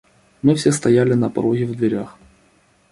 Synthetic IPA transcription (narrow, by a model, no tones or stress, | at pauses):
mɨfsʲest̪ɐjælʲɪnɐpɐ̰ɾoɣʲɪvd̪vʲɪɾʲax